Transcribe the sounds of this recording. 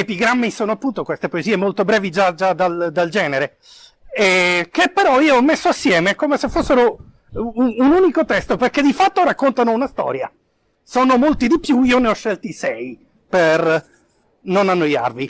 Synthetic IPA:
epiɡɾamːisoːnoapːunt̪okwest̪epoeziːemolt̪obɾɛːvid͡ʒad͡ʒad̪ald̪ald͡ʒɛːneɾe | ɛkepːeɾɔiːoɔmːesːoasːjɛːmekomesefːosːeɾo | uunuːnikot̪ɛst̪operked̪ifat̪ːoɾakːont̪anounast̪ɔ̰ːɾja | soːnomolt̪id̪ipjuiːoneɔʃːɛlt̪isɛj | per | nonanːoja̰rvi

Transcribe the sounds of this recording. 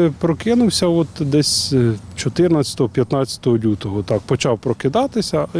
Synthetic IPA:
pɾɔkɪnʊwsʲɐɔt̪d̪ɛsʲt͡ʃɔt̪ɪrnɐt͡sʲɐ̥t̪ɔɦɔpʲjɐt̪nɑt͡sʲɐ̥t̪ɔɦɔlʲut̪ɔɦɔt̪ɑk̚pɔt͡ʃɑwpɾɔkɪd̪ɑt̪ɪsʲɐ

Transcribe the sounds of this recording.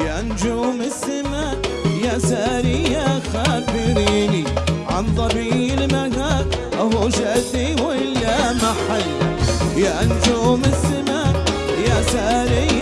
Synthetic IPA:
jaʔand͡ʒuːmɪsɪma | jasaʔɾɪjːaxaːbɪɾiːniʕa̰nt̪ˤɑbiːlmaɡaː | ʔaɦuʃaʔtiwʔɪlːamaħalːjaʔand͡ʒuːmɪsɪma | jasaɾɪjː

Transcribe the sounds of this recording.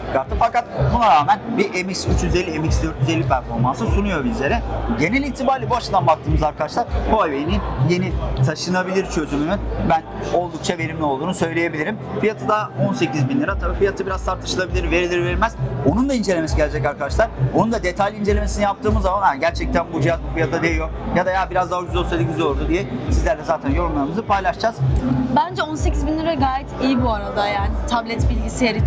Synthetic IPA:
kʰaɾt̪ʰɯfakat̪̚bunaɾaːmænbiʔemiksyt͡ʃjyze̞lʲːiemiksd̪ø̞ɾt̪jyzelʲːipʰæɾfo̞ɾmansɯsunujo̞bizʲe̞ɾɛɟe̞nɛlʲit̪ʰibaːɾlʲibuaʃɯd̪anbak̚t̪ʰɯːmɯzaɾkʰad̪aʃlˠaɾbuajvejninje̞nit̪ʰaʃɯnabilʲiɾt͡ʃʰø̞zymynynbæno̞lˠd̪uk̚t͡ʃʰave̞ɾimlʲɛolˠd̪uːnusø̞jlʲeje̞bilʲiɾimfijat̪ʰɯd̪ao̞nse̞cizbinlʲiɾat̪ʰabifijat̪ʰɯbiɾazt̪ʰaɾt̪ʰɯʃɯlˠabilʲiɾve̞ɾilʲiɾveɾilʲmæz̥onund̪aind͡ʒe̞lʲeme̞siɟelʲed͡ʒɛcaɾkad̪aʃlˠaɾonund̪ad̪e̞t̪ʰajlʲind͡ʒe̞lʲeme̞sinijap̚t̪ʰɯːmɯzamanaɟæɾt͡ʃʰɛc̚t̪ʰænbud͡ʒijazbufijat̪ʰad̪ejjokjad̪ajabiɾazd̪aːd͡ʒyzosed̪ʲiɟʲyzioɾd̪ud̪ijɛsizlʲæɾlʲɛzaːt̪ʰænjo̞ɾunlˠaɾɯmɯzɯpʰajlˠaʃd͡ʒaz̥bænd͡ʒɛonsecʰizbinlʲiɾaɡaːjɛt̪ʰijibuaɾad̪ajaːnɪt̪ʰablʲɛt̪bilʲɟiseɾi

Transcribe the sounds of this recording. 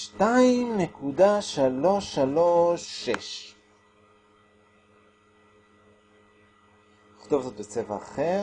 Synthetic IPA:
ʃtaimnekudaʃalo̞ʃaloʃːeʃ | iχt̪ovzot̪bet͡sevaːχeʁ

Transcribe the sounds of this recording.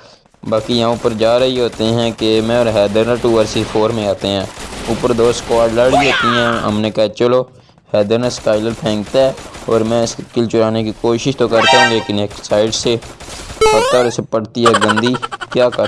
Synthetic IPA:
baːkiɦãːʊpəɾd͡ʒaːɾəɦiɦoːt̪eɦɛ̃ːkemɛ̃ːɔːɾɦɛːd̪əɾnaʈuːəɾsɪpʰoːɾmẽaːt̪eɦɛ̃ːʊpəɾd̪oːskaːɖləɽiɦoːt̪iɦɛ̃ːɦə̰mneːkɛɦɛt͡ʃəloː | hɛːd̪əɾnasʈaːɪləɾpʰɛ̃ːŋɡt̪aɛːɔːɾmɛ̃ːɪskɪlt͡ʃʊɾaːnekikoːʃɪʃt̪oːkəɾt̪aɦũleːkɪneːksaːɪɖseːpəɾt̪aːɾɪsepəɽt̪iɦɛːɡə̃nd̪iːkjaːkə

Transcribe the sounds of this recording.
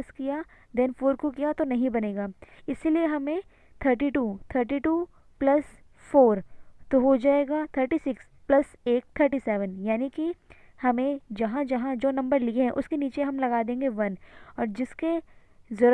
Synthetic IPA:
skijad̪ɛnfoːɾkok̬ijat̪onɐɦĩbɐneːɡaːɪsilieɦɐmẽ | t̪ʰəːɾʈ̬iʈuːt̪ʰəːɾʈ̬iʈuː | plɐs | foːɾt̪oɦod͡ʒaːeːɡat̪ʰəːɾʈisɪks | plɐs | eːk̚t̪ʰəɾʈiːsɛːʋənjaːniki | hɐmẽd͡ʒɐɦãd͡ʒɐɦãd͡ʒoːnɐ̃mbəɾlieɦɛ̃ʔʊskeniːt͡ʃeɦɐmlɐɡad̪ẽːŋɡeʋɐnɔːɾd͡ʒɪske | zɐɾ

